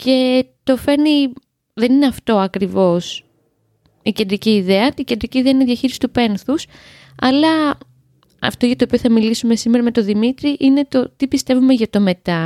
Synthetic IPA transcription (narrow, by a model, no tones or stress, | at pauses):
ce̞t̪o̞fe̞ɾni | ðe̞nineɐft̪o̞ɐkɾivo̞s | ice̞nd̪ɾiciːðeɐice̞nd̪ɾiciːðeɐineðjɐçiɾisi̥t̪upe̞nθus | ɐlɐ | ɐ̰ft̪oʝɐt̪oːpioθɐmilisume̞simeɾɐme̞t̪oðimit̪ɾiʔine̞t̪o̞t̪ipist̪e̞vume̞ʝɐt̪o̞me̞t̪ɐ